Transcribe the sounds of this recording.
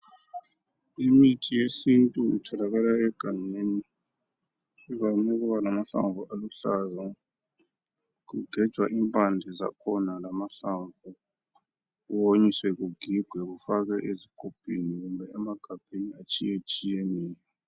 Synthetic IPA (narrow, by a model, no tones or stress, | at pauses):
imitʰijesintʼuḭtʰɔlaɣalaɛɡ̥ʱaŋeni | izamɛɣ̬uβalamaɬa̰ɱvuʔaluɬaza | k̬uɡ̥ʱɛd̥ʒ̥ʱwaʔimpʼandʱɛza̰kʰɔnalamaɬaɱvu | oɲiswɛɣuɡ̥ʱiɡ̥ʱwɛɣ̬ufak̬ɛʔezikʰopʰiniɣumbʱɛɛmaɡ̥ʱab̥ʱeniat͡ʃʼijɛt͡ʃʼijeniːjɛ